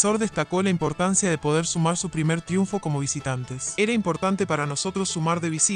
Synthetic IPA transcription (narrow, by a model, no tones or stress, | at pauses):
so̞ɾðe̞st̪ako̞laimpo̞ɾt̪ansjaðe̞po̞ð̞eɾsumaɾsupɾimeɾt̪ɾjuɱfo̞ko̞mo̞β̞isit̪ant̪e̞seɾaimpo̞ɾt̪ant̪e̞paɾano̞so̞t̪ɾo̞sːumaɾðe̞βisi